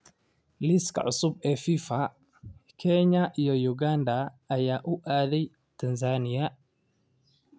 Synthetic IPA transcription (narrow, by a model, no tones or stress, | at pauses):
lɪskɐ̰ʕʊsʊbɛfifɐ | kʰɛɲɐʔijɔjʊɡaːnd̪ɐː | jaːʔʊʔaːðɛj | t̪ʰɐnzaːnɪjɐ